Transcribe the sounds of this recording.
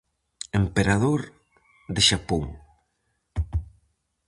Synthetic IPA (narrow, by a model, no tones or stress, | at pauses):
empeɾaðoɾ | ðeʃapoŋ